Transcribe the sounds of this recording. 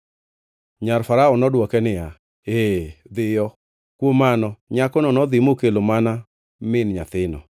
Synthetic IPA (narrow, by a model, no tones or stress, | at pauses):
ɲarfaɾaɔnɔdwɔkɛnɪja | ed̪ɪjɔ | kwomanɔɲakɔnɔnɔd̪ɪmokelomana | mɪnɲat̪ɪnɔ̰